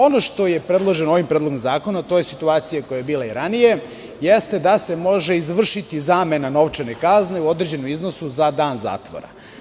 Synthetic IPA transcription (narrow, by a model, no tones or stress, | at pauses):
o̞no̞ʃt̪o̞je̞pɾed̪lˠo̞ʒenoo̞ʋimpɾed̪lo̞ɡomzaːko̞nat̪ojesit̪uaːt̪sijako̞jajebiːlaiɾanije̞ | jest̪e̞d̪ase̞mo̞ʒe̞izʋr̩ʃit̪izaːme̞nano̞ʋt͡ʂene̞kazne̞uo̞d̪ɾed͡ʑe̞nomizno̞suzad̪aːnza̰ːt̪ʋo̰ɾa̰